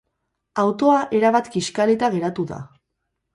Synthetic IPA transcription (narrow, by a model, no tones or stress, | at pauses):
awt̪o̞aʔe̞ɾaβat̪kiʃkalet̪aɣ̞e̞ɾat̪uða̰